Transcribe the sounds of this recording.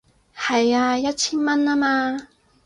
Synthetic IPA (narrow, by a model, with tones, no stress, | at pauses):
ha˨˩ja˧ja˥t̚t͡ɕʰi˥nma˧˥nːa˥maː˧